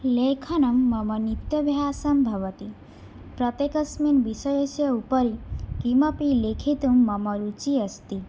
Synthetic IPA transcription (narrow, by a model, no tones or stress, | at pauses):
lekʰɐnɐmːʌmʌnit̪jɐbʱjaːsɐmbʱʌʋʌt̪i | pɾʌt̪jekʌsminbisʌjʌsjʌupʌɾikimʌpilekʰit̪umːʌmʌɾut͡ʃiɐst̪i